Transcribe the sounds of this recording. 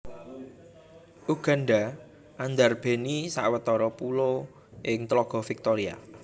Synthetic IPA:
ʔuɡ̥a̤nɖa | ʔand̪arb̥e̤nisa̰ʔwət̪ɔɾɔpulo | ʔɪŋt̪lɔɡ̥ɔ̤fik̚t̪oɾia̰

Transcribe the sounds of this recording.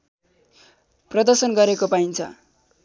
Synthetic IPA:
prʌd̪ʌrsʌnɡʌɾekopaint͡sʰʌ̰

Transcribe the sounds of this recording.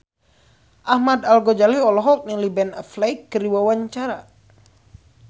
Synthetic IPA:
ʔahmad̪alɡɔd͡ʒaliɔlɔɦɔk̚nilibɛnaflajkːəɾiwawaɲt͡ʃaɾa

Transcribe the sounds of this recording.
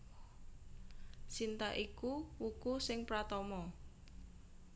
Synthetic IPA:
sint̪aʔikuwukusɪŋpɾat̪ɔmɔ

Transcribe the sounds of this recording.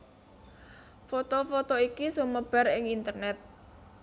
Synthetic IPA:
fot̪ofot̪oikisuməb̥a̤ɾɪŋint̪ərnɛt̪̚

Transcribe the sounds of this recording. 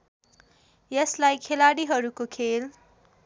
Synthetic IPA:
jʌslajkʰelaɽiɦʌɾukokʰel

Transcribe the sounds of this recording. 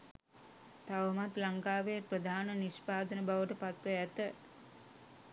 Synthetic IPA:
t̪aʋəmat̪laŋkaːʋejprəd̪ʱaːnəniʃpaːd̪ənəbaʋəʈəpat̪ʋəæt̪ə

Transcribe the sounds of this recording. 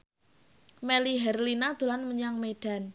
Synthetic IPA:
meliɦɛrlinad̪̥o̤lanməɲaŋmeɖ̥a̤n

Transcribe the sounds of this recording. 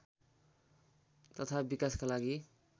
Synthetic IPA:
t̪ʌt̪ʰabikaskalaɡi

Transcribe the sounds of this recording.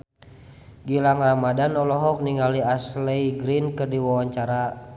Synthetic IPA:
ɡilaŋramadanɔlɔɦɔk̚niŋɡaliaslɛjɡɾinkɨrdiwawaɲt͡ʃaɾa

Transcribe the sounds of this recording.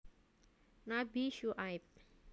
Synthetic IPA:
nabiʃuʔajp̚

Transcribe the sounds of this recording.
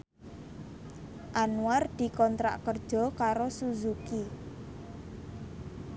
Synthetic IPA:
ʔanuard̪̥i̤kɔnt̪ɾa̰ʔkərd̥ʒ̥ɔ̤kaɾosuzuki

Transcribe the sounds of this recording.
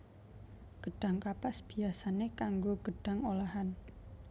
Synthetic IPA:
ɡ̥əɖ̥a̤ŋkapasb̥i̤asanekaŋɡoɡ̥ə̤ɖ̥a̤ŋolaɦan

